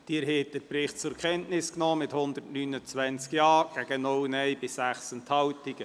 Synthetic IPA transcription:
d̥iːɾɦeːt̚dəɾpɾɪχt̚t͡sʊɾkχɛntnɪsknɔːmɪthʊnd̪ətnyːnət͡sʋænt͡skjɑːɡ̥æɡ̥ənɔwnɛjbɪsæχsəntʰhɑwtiɡ̥ə

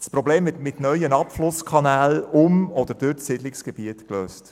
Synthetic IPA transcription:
spɾɔbleːmvɪtmɪtnœʏənɑpflʊskʰɑnæːlʊmɔd̪əɾd̥ʊɾɪdlɪksɡ̥ɛb̥iətkløːst

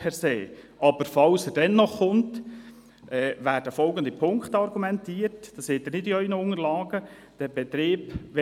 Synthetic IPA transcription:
pʰɛɾseːʔɑbəɾfɑlsəɾd̥ɛnːɔχːʊnt | ʔɛːʋæːɾd̥əfɔlɡənd̪ipʰʊŋkχtɑɾɡumɛntiːəɾtd̥ɑseːt̪ɪɾnɪdiœʏnəʊŋəɾlɑːɡə | d̥ɛbɛt̪ɾeːbʋɛ

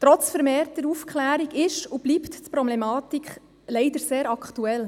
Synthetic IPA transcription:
tɾɔt͡sfəɾmeːɾtəɾufkʰχlæːɾiɡɪʃub̥lipttpɾɔblɛmɑːtikχ | lɛɪdəɾseːɾɑkχtuɛl

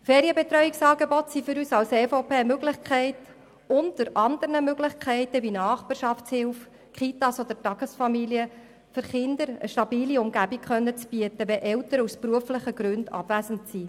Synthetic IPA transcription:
fɛːɾjəbet̪ɾœɥiksɑːɡebɔtsifʏɾyːsɑlsɛːfopeːmøɡlɪχkχɛɪt | ʊntːəɾɑnd̪əɾnəmøɡlɪχkχɛɪtəvʋinɑːχbpɑɾʃɑftshɪlf | kχit̪ɑsod̥̪əɾtɑɡ̥əsfɑmiliə | fɵɾχɪnd̪əɾə̰ʃtɑbiːliʊmɡæbikχœnːət͡sb̥iətəʋɛʔɛlt̪əɾəuspɾuəfləχəɡɾʉndɑ̰bvæsən̩tsi

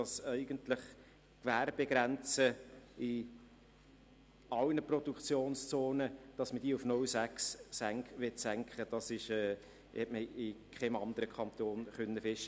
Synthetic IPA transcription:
ɑsɛɪɡənt̪lɪχ | kʋæːɾb̥eɡɾænt͡səɪ | ɑlnəprɔd̥ukt͡sjoːnst͡soːnəd̥ɑsməd̥iːufnʊlsæksːæŋkʋɪtsæŋkχəd̥ɑsɪʃɛː | hɛtməɪkχɛmɑnd̪əɾəkʰχɑnt̪oːnχœnːəfɪʃə

